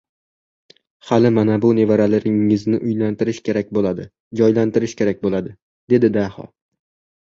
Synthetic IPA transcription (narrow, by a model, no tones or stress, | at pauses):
halɪmanabʊne̞vaɾalaɾɪŋːɪznɪʔʊjlant̪ʰɪɾɪʃkʲe̞ɾak̚ʲbolad̪ɪ | d͡ʒɒjlant̪ɪɾɪʃkʲʰe̞ɾak̚ʲbolad̪ɪ | d̪̥e̞d̪ɪd̪ahɒ̰